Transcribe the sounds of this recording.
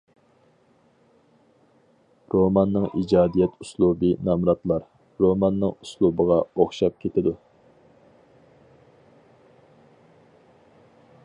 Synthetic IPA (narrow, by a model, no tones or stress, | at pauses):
ɾomɑnːɨŋid͡ʒɑːd̪ijɛt̪ʰuslˠubɨnɑmɾɑt̪lˠɑɾ | ɾomɑnːɨŋuslˠubəʁɑoχʃɑp̚kʲʰet̪ʰɪd̪u